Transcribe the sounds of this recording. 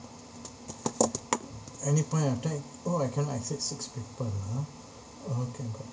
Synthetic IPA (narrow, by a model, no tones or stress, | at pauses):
ɛnipɔ̃ɪ̃tatɛk | oajkɛ̃nʔa̰ksɛtsɪkspipəla | okʰɛ̃ɡɔ